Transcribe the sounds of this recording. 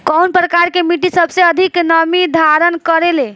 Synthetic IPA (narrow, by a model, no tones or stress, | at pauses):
kɔwnpɾəkaɾkemiʈisəbʱsẽəd̪ʱiknəmid̪ʱaɾənkəɾele